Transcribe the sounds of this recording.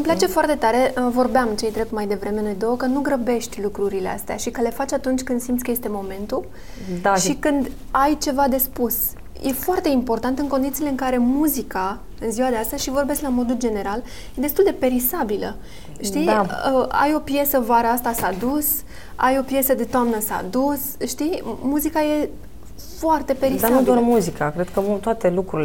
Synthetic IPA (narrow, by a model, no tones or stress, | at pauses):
ɨmplat͡ʃe̞foart̪e̞t̪aɾe̞əvo̞rbeamt͡ʃe̞jt̪ɾep̚t̪majd̪e̞vɾe̞me̞no̞jd̪o̞wəkənuɡɾəbe̞ʃt̪ʲlukɾuɾilea̰st̪ea̰ʃikəle̞fat͡ʃat̪unt͡ʃʲkɨnd̪simt̪skəje̞st̪e̞mo̞me̞nt̪u | aʃikɨnd̪ | ajt͡ʃe̞vad̪e̞spus | jʔe̞foart̪e̞impo̞rt̪ant̪ɨŋko̞nd̪it̪sile̞ɨŋkaɾe̞muzika | ɨnziwad̪east̪əz̥ʃivo̞rbe̞sklamo̞d̪uld͡ʒe̞ne̞ɾal | je̞d̪e̞st̪uld̪e̞pe̞ɾisabilə̰ | ʃt̪iəa̰jo̞pje̞səvaɾəast̪asad̪us | ajo̞pje̞səd̪e̞t̪oamnəsa̰d̪us | ʃt̪imuzikaje̞ | foart̪e̞pe̞ɾisaanud̪oarmuzikakɾed̪̚kəvut̪oat̪e̞lukɾuɾil